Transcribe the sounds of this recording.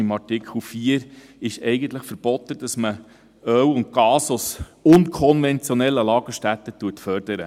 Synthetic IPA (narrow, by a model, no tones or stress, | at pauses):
ɪmɑrtɪkʰəl̩fiːəɾɪʃɛjɡən̩t̪ləχfəɾb̥ɔt̪ːəd̥ɑsmə | œwʊnt̪ɡɑːsosʊnkʰɔnvɛnt͡sjɔnɛlːəlɑːɡ̥əʃtæt̪ːətuːətfœɾd̥əɾə̰